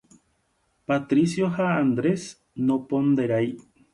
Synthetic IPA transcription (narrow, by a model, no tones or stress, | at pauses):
pat̪ɾisjoɦaːnd̪ɾes | nopond̪eɾaj